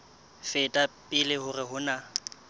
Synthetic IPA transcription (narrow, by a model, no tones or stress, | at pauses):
fɪtʼapʼɪlɪhʊrɪɦʊna